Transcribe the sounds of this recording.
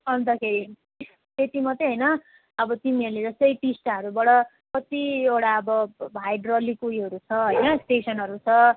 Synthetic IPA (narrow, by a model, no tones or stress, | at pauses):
ʌnd̪ʌkʰeɾi | t̪et̪imʌt̪eɦʌjnʌ | ʌbʌt̪imiʌleɾʌsʌjʈisʈaɦʌɾubʌɽʌ | kʌt̪iewɽaʌbʌbʱajɖrʌlikujɦʌɾut͡sʰʌɦʌjnʌsʈesʌnɦʌɾut͡sʰʌ